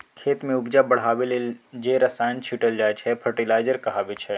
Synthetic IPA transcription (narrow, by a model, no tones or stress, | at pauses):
kʰeːt̪mẽʊbd͡ʒabɐɽ̤aːʋeled͡ʒeɾɐsaːɪnt͡ʃʰiʈəld͡ʒaːet͡ʃʰɛpʰəɾʈilaːɪd͡ʒəɾkɐɦaːʋet͡ʃʰɛ